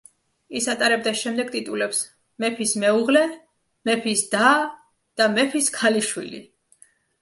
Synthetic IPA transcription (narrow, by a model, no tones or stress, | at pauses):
isat̪ʼaɾɛb̚d̪aʃɛmd̪ɛɡ̚t̪ʼit̪ʼulɛps | mɛpʰismɛuʁlɛ | mɛpʰisd̪̥a | d̪̥amɛpʰiskʰaliʃwḭlḭ